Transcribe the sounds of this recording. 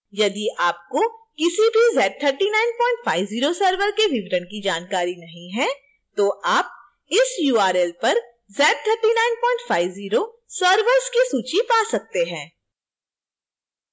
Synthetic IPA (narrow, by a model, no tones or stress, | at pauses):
jɐd̪iʔaːp̚kokɪsibʱizɛːʈ̚t̪ʰəɾʈinaːɪnpɔ̃ːɪ̃ɳʈfaːɪʋziːɾosəɾʋəɾkeʋɪʋɾəɽ̃kid͡ʒaːnkaːɾinɐɦĩɦɛ̃ | t̪oʔaːp̚ | ɪsjuːaːɾɛːlpɐɾ | zɛːʈ̚t̪ʰəɾʈinaːɪnpɔ̃ːɪ̃ɳʈfʰaːɪʋziːɾo | səɾʋəɾskisuːt͡ʃipaːsɐk̚t̪eɦɛ̃ː